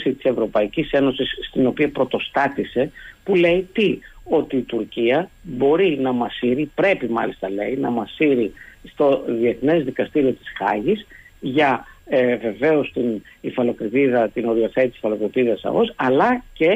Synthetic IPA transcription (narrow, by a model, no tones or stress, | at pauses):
sit̪i̥se̞vɾo̞pɐicise̞no̞sisːt̪ino̞piɐpɾo̞t̪o̞st̪ɐt̪ise̞pule̞it̪io̞t̪iːt̪uɾciɐbo̞ɾinɐmɐsiɾipɾe̞pimɐ̰list̪ɐle̞inɐmɐsiɾist̪o̞ðie̞θne̞zðikɐst̪iɾio̞t̪i̥sxɐ̰ʝis | ʝɐeve̞ve̞o̞st̪in | ifɐlo̞kɾit̪iðɐt̪ino̞ɾioθet̪isfɐlo̞kɾit̪iðɐsɐ̰ɣo̞sɐlɐce̞